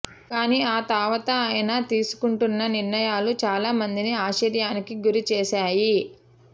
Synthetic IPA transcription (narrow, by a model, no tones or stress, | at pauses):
kaːniːaːt̪aːʋɐt̪ɐːjɐnɐt̪iːsu̥kuɳʈunːɐniɾɳɐjaːlut͡ʃaːlaːmɐnd̪iniaːʃiɾjaːnikiɡuɾit͡ʃɛːʃaːji